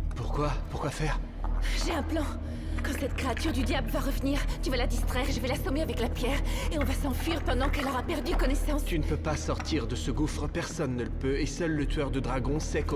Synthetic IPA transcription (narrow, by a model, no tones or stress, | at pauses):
puʁkwapuʁkwafɛːʁ | ʒeɛ̃plɑ̃ | kɑ̃sɛt̪kχeat̪yʁd̪yd̪jabləvaʁəvniʁt̪yvalad̪ist̪χɛʁeʒəvɛlasɔmeavɛklapjɛʁeɔ̃vasɑ̃fɥiʁpɑ̃d̪ɑ̃kɛlɔʁapɛʁd̪ykɔnɛsɑ̃st̪ynəpøpasɔʁt̪iʁd̪əsəɡufχəpɛʁsɔnːələpøesœlːət̪ɥœʁd̪əd̪ʁaɡɔ̃sɛk